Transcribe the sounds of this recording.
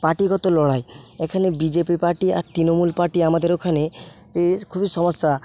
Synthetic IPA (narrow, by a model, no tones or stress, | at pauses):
paʈiɡɔt̪olɔɭajekʰanebid͡ʒepipaɾʈia̰ɾt̪ɾinomulpaɾʈiamad̪eɾokʰane | ekʰubisɔmɔsːa